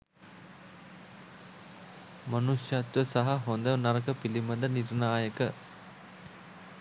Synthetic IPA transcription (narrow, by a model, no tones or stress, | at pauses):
mɐnusjɐt̪ʋəsɐɦɐɦond̪ɐʋnɐɾɐkəpilimɐd̪əniɾnaːjəkə